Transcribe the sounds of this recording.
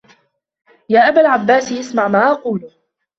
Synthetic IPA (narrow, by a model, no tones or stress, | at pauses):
jaːʔabalʕabːaːsiʔasmaʕmaːʔɑquːlʊ